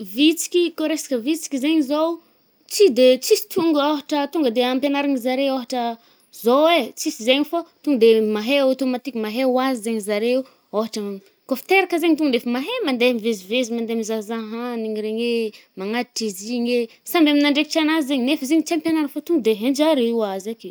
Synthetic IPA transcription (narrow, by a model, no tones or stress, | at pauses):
vit͡si̥kʲikoɾesḁkəvit͡si̥kʲizeɲizow | t͡sid̪et͡sisi̥t̪uŋɡoɦaʈ͡ʂət̪uŋɡəd̪eampenaɾaɲizaɾeoɦaʈ͡ʂə | zowet͡sisizeɲifat̪uŋɡəd̪emaɦeot̪omat̪ikʲumaɦewazizeɲizaɾeu | oɦaʈ͡ʂə | kofi̥t̪eɾakəzeɲit̪uŋɡənefəmaɦemand̪emivezivezimand̪emizazaɦaniɲiɾeŋemaŋad̪iʈ͡ʂiziɲe | sambaminaɳɖ͡ʐekiʈ͡ʂanazizeɲinefəzeɲit͡siampjenaɾafat̪uŋɡd̪eɦẽnd͡ʒaɾiwazek